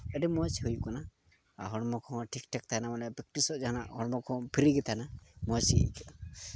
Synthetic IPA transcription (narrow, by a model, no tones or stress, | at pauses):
ɛɖimɔsɦujkɔna | a̰ɦɔɽmɔkʰɔ̃ʈʰikʈʰɛk̚t̪ʰanamanɛpik̚ʈisɔd͡ʒanaɦɔɽmɔkʰɔ̃pʰiɾiɡit̪ʰanamɔsḭk